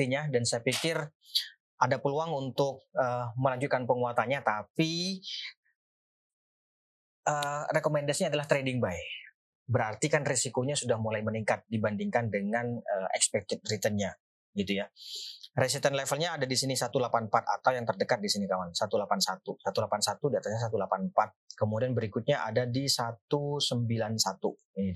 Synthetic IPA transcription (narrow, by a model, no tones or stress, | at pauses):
iɲadansajapikɪr | ʔadapəluaŋunt̪ʊk̚əːməlaɲd͡ʒut̪̚kanpəŋuat̪aɲat̪api | ʔərekomɛndasiɲadalaht̪ɾedɪŋbaɛ | bəɾart̪ikanrisikoɲasudahmulajməniŋkat̪̚dibandiŋkandəŋanəɛ̰kspɛk̚t̪ɪt̪̚rit̪ənɲa | ɡit̪uja | ɾes̬it̪ənlɛfəlɲaːdadisinisat̪ulapanpat̪a̰t̪awjaŋt̪ərdəkat̪̚disinikamansat̪ulapansat̪usat̪ulapansat̪udiat̪asɲas̬at̪ulapanpat̪̚kəmudianbəɾikut̪̚ɲaʔadadisat̪usəmbilansat̪u | i